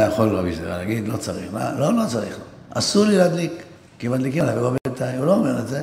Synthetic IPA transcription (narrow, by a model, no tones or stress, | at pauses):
jaχo̞lʁabisḛa̰laɡid̪lo̞t͡saʁiχla̰lo̞lo̞t͡saʁiχlo̰ | a̰suʁlilad̪likː | imat̪likilaveɡabet̪ajulo̞ːmeʁetze